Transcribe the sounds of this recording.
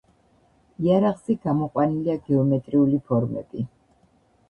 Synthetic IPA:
iaɾaʁziɡamɔqʼwaniliaɡɛɔmɛt̪ʼɾiulipʰɔɾmɛ̰bi

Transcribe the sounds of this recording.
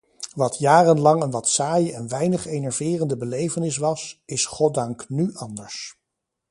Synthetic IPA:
ʋɑtjaːrənlɑŋənʋɑtsaːjəɛnʋɛjnəχejnɛɹvɪːrəndəbəlejvənɪs̬ʋɑsɪsχɔt̚dɑŋknyʔɑndəɹs

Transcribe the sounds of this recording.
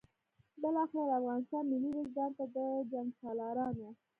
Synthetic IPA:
bɪlɑxɪɾad̪afɣɑnɪst̪ɑnmɪliɾɪzd̪ɑɾt̪ad̪əd͡ʒaŋɡsɑlɑɾɑnwa

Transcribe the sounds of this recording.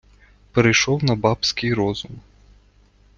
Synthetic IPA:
pɛɾejʃɔwnɐbɑpsʲkɪjɾɔzʊm

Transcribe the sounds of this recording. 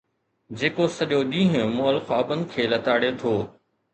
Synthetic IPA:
d͡ʑeːkosɐʄoɗĩːɦʊ̃moːəlxaːbənɪ̆kʰeːlɐt̪aːɽet̪ʰoː

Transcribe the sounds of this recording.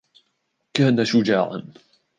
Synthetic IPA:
kaːnaʃʊd͡ʒaːʕa̰n

